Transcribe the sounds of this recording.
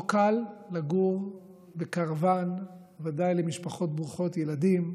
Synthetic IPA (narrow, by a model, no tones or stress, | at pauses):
kalːaɡuʁ | bekaʁavan | vadajlemiʃpaχo̞t̚bʁuχo̞t̪jeladim